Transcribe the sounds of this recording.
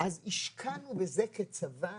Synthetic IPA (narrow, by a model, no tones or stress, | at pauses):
ʔaziʃkʰanubezeket͡sava